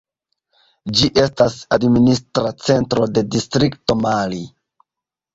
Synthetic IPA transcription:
d͡ʒiʔe̞stasadministɾat͡se̞ntɾo̞de̞distɾikto̞mali

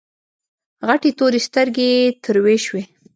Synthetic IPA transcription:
ɣaʈet̪oɾest̪əɾɡet̪ʰəɾweʃwe

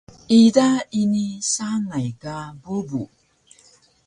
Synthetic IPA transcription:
idainisaŋajkabubu

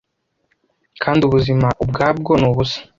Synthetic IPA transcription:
kʰaːndiuβuzimaʔub̚ɡaːb̚ɡonuːβusḁ

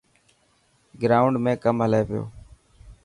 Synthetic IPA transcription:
ɡɾaːʊɳɖmẽːkəmɦəleːʋɪjo̰ː

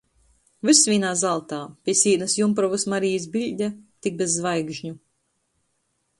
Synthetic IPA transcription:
viɾsvʲiːnaːzalˠt̪aːpʲiɛsʲiːnɐsjumpɾɔvusmaɾijis̬bilʲd̪ʲat̪ik̚bezːvajɡʒɲu

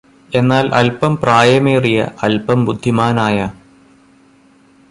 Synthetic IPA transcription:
e̞nːaːlʔɐ̰lpɐmpraːjɐmeːrijɐ̰ɐlpɐmbud̪ʱːimaːnaːjɐ

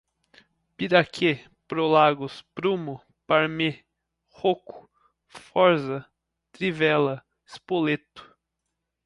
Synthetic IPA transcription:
piɾakʰe | pɾolaɡʊspɾumʊ | paɾme | hokʊ̥ | fɔɾzɐ | t̪ɾivɛlɐ | ɪspolet̪ʊ̥

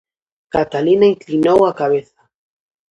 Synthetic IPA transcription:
kat̪alinaiŋklinowakaβ̞eθḁ

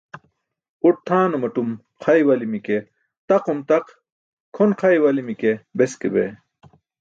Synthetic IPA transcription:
uʈ̚t̪ʰaːnɐmɐʈum | qʰajwɐlimike | t̪ɐqomt̪ɐq | kʰonqʰɐjwɐlimikebeskḛbḛ

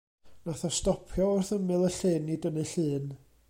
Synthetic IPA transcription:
naθɔstɔpʰjɔʊrθəmɨlˠəɬɨːnːidənɨɬɨːn

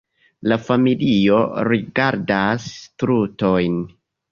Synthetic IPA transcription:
lafamilio̞ɾiɡaɾdastɾuto̞jn

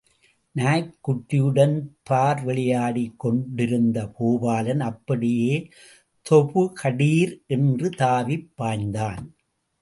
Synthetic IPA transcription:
naːjkːʊʈːɪjɯɽɐnpʰaːɾʋɛɭɪjaːɽikːɔɳɖɪɾɯnd̪ɐpoːbaːlɐnɐpːɐɽɪjeː | t̪ʰɔpɯkʰɐɽiːɾʔɛndrɯt̪aːʋɪpːaːnd̪aːn

